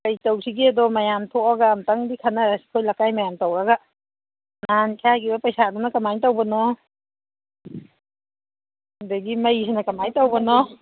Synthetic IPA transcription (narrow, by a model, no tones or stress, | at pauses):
kajtawsʰiɡedɔmajamtʰɔʔaɡaːmtaŋdikʰanasi̥kʰɔjlakajmajamtawaɡa | nankʰaɡibapajsadɔnakamaɲtawbanɔ | daɡimajsʰenakamajtawbanɔ